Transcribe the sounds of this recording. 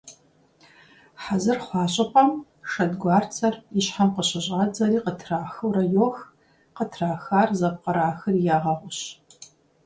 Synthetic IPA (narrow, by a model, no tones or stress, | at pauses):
ħazɨrχʷɑːɕʼɐpʷʼɐm | ʂɐdɡʷɑːrt͡sʰɐriɕħamqəɕɪʑʼaːd͡zɐɾiːqətʰraːxɨwɾɐjoːx | qətʰraːxaːrzɐp̚qɐɾaːxɨrjaːʁɐʁʷʊɕ